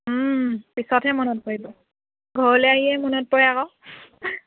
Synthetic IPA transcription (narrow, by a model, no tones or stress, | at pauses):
pisɔthɛmɔnɔt̚pɔɹibɔ | ɡʱɔɹɔlɛaɦiɛmɔnɔt̚pɔɹjakɔ